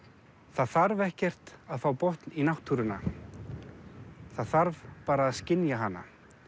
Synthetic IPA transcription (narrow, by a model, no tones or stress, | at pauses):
θaðθaɾvɛhcɛr̥t̪aðfaːwpɔht̪ninawht̪ʰːuɾʏna̰ | θaðθaɾvpaːɾaːðscɪnjaɦanːa̰